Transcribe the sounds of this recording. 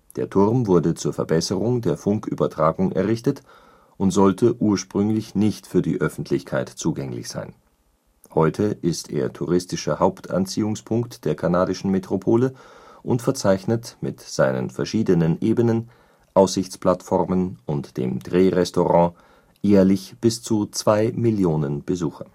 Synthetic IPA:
d̥eːɐtʰʊʁmvʊɐdət͡suːɐfɛɐbɛsəʁʊŋdeːɐfʊŋkʔy̰ːbɐtʁ̥aːɡʊŋʔɛ̰ɐʁɪçtət | ʔʊntz̥ɔltʰəʔuːɐʃpʁ̥ʏŋlɪçnɪçtfyːɐdḭːʔœfn̩tʰlɪçkʰaɪtt͡suːɡɛŋlɪ̰çz̥a̰ɪn | hɔʏtʰəʔɪstʰḛːɐtʰuʁɪstɪʃɐhaʊptʰa̰nt͡siːʊŋspʰʊŋktd̥eːɐkʰanaːdɪʃn̩metʁ̥opʰoːləʔʊntfɛɐt͡saɪçnətmɪ̰tz̥aɪnə̰nfɛɐʃiːdənənʔeːbənən | ʔaʊsz̥ɪçt͡splatfɔʁmənʊntd̥ḛːmd̥ʁeːʁɛstoʁɑ̃ː | jeːɐlɪçb̥ɪst͡sut͡sv̥aɪmɪljoːnənb̥əzuːxɐ

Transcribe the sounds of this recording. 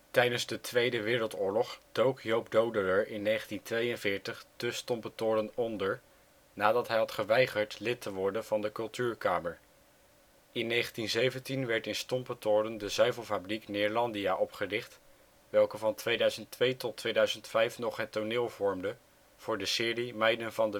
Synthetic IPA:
tɛjdənzdətʋejdəʋɪːɾəlˠtʊːɹlɔχd̥owkjowpdowdələɹʔɪnːejχəntintʋejənvɪːɹtəχdəstɔmpətʊːɾənɔndəɹ | naːdɑtɦɛjɦɑtχəʋɛjχəɹtlɪtəʋɔɹdənv̥ɑndəkɵlˠtyːɹkaːməɹ | ɪnːejχəntinzejvəntinʋɛɹtɪnstɔmpətʊːrəndəzœɥvəlˠfabriknɪːɹlɑndiaːʔɔpχərɪχt | ʋɛlˠkəvɑntʋejdœɥzəntʋejtɔtʋejdœɥzəntfɛjfnɔχɦətonɪːlˠvɔɹmdə | v̥ʊːɹdəsɪːrimɛjdənvɑndə

